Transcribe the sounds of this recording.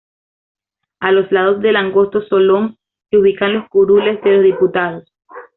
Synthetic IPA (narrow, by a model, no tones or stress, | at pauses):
alo̞slað̞o̞zðe̞laŋɡo̞st̪o̞so̞lo̞ŋ | seuβ̞ikanlo̞skuɾule̞sd̪e̞lo̞zðiput̪að̞os